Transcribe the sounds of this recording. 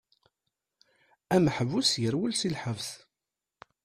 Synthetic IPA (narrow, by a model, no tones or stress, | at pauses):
æmħəvusjəɾwəlsilħəvθ